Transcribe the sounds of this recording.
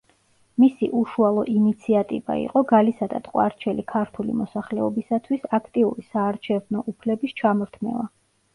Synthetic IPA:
misḭʔuʃualˠɔʔinit̪sʰiat̪ʼḭva̰ḭqʼɔɡalisad̪a̰t̪ʼqʼwa̰ɾt͡ʃʰɛlikʰaɾt̪ʰulḭmɔsaχlɛɔbisat̪ʰwisakʰt̪ʼiuɾisaːɾt͡ʃʰɛvnɔʔupʰlɛbist͡ʃʰamɔɾt̪ʰmɛ̰va̰

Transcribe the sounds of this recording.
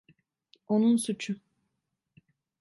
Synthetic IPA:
onunsut͡ʃʰʊ

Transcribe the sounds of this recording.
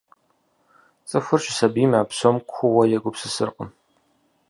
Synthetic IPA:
t͡sʼɨfʊrɕʼɪsɐbiːmaːpsomkʷʰʊwɐjɛɡʷʊpsɨsɨ̰rqʼʊ̰m

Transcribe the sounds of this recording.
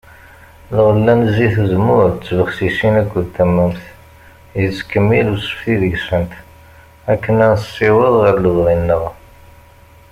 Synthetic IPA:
lʁəlːænziθəzmʊɾt͡sːvəχsisinækʷːəðt̪ːæmːæmθ | jət͡sːkəmːilusə̥fθiðəʝsənt̪ | ækːənænsːiwəðʁəɾluðʁˤinːəʁ

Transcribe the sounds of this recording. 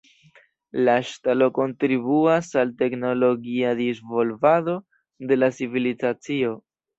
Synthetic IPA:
laʃtalo̞ko̞ntɾiβuasalte̞kno̞lo̞ɡiad̪izvo̞lvado̞ | de̞lat͡sivilizat͡sio̞

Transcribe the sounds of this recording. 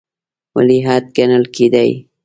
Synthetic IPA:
wa̰liɦaːt̪̚ɡanalkʰid̪aj

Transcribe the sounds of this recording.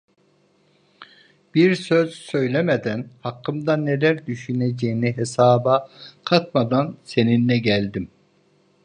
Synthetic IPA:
b̥iɾsø̞z̥sø̞jlʲemed̪ænhɑkʰːɯmd̪ane̞læɾd̪yʃyned͡ʒejiniɦesaːbakʰat̪mad̪anse̞ninːɛɟælʲd̪im

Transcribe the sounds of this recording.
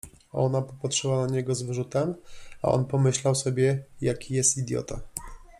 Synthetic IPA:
ʔɔ̰napɔpatʂɘwanaɲɛɡɔzvɘʐut̪ɛma̰ʔɔ̰npɔmɘɕlawsɔbʲjɛjakʲijɛst̪id̪ʲjɔ̰t̪a

